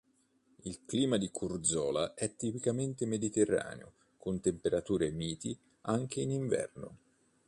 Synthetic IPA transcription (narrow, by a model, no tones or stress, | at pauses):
ilkliːmad̪ikurd̪zɔːlaʔɛt̪ːipikament̪emed̪it̪erːa̰ːnḛo̰ | kʊnt̪empeɾat̪uːɾemiːt̪i | aŋk̟eiːniɱvɛ̰rno̰